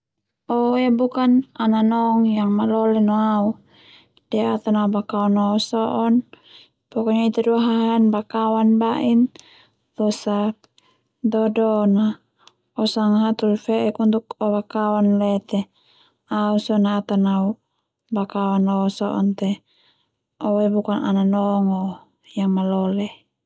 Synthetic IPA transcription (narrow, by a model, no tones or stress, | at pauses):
ɔjabukanananɔŋjaŋmalɔlɛnɔau | d̥ɛat̪anaubakawanɔːsɔʔɔn | pɔkɔɲait̪aduaɦaɦanbakawanbaʔin | t̪ɔsa | dɔdɔna | ɔsaŋaɦat̪ulfɛʔɛkunt̪ukɔbakawanlɛt̪ɛ | ausɔnaːt̪anau | bakawanɔsɔʔɔnt̪ɛ | ɔwaibukana̰nanɔŋɔ | jaŋmalɔlɛ